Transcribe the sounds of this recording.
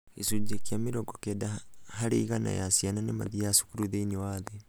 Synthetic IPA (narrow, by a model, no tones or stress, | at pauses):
isud͡ʒekiamiɾoɡokedahaɾeiɣana̰jasjananema̰ðijasu̥kuɾuðeinewaðe